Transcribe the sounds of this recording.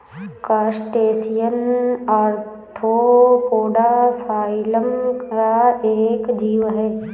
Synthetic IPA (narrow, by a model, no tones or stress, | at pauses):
kasʈeːsijənaːɾt̪ʰoːkoːɖapʰaːɪləmkaeːkd͡ʒiːʋɦɛː